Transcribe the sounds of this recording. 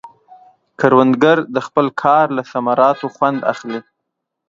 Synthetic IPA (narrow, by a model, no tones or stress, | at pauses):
kaɾwand̪ɡaɾd̪əxpəlkʰɑɾlasamɑɾɑt̪oxwand̪a̰xli